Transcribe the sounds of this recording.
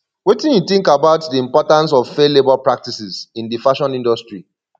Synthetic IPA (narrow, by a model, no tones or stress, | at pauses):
wetĩnjuθĩŋkabaʊtdiĩmpɔtãns̬ɔvfelebɔlpɹak̚tisizĩndifaʃɔ̃nĩndɔstɹi